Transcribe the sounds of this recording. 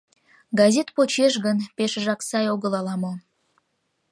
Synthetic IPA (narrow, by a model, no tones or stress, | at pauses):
ɡɑzʲet̪pot͡ɕeʃ̬ɣənpeʃʒɑksɑjoɣəlɑlɑmo